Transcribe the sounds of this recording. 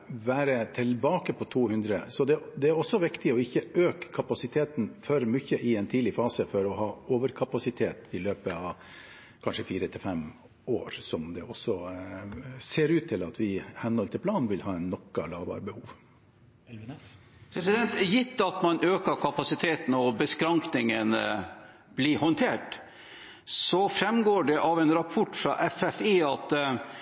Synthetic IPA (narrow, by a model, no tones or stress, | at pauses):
ʋæːɾət̪ʰɪlbɑːkəpʰɔt̪ʰuːhʉnd̪ɾəsɔd̪ɛd̪ɛæɾɔsːɔʋɪkt̪ɪɔɪçːəøːkkʰːɑpɑsɪt̪ʰeːt̪n̩fœɾmʏçːəʔɪɛnt̪ʰiːd̪lɪfɑːsəfɔɾɔhɑːoːʋəɾkʰɑpɑsɪt̪ʰeːt̪ɪløːpəɑʋ | kʰɑnʂəfiːɾət̪ʰɪlfɛm | oːɾsɔmd̪ɛʔɔsːɔ | seːɾʉːt̪ʰːɪlɑt̪ʋɪhɛnːhɔlt̪ʰɪlpʰlɑːnʋɪlhɑːɛnːɔkːɑlɑːʋbɑ̰ːɾəbəhuːʋ | pʰɾɛsɪd̪ɛnt̪jɪt̪ːɑt̪mɑnʔøːkəkʰɑpɑsɪt̪ʰeːt̪n̩ɔbəskɾɑŋknɪŋənəb̥lihɔnt̪ʰeːʈ | sɔfɾɛmɡoːɖɛʔɑʋɛnɾɑpʰɔʈːfɾɑ̰ʔɛfɛfeːɑt̪